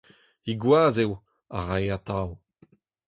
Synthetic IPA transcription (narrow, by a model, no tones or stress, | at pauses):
iɡwaːzew | a̰ʁajat̪aw